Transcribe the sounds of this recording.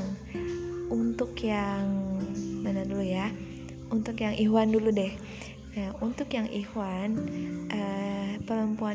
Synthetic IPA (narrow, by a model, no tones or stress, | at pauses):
ŋ | unt̪ʊkjaŋmanaduluja | unt̪ʊkjaŋʔiɦwanduludɛh | əunt̪ʊkjaŋʔihwanʔəpələmpua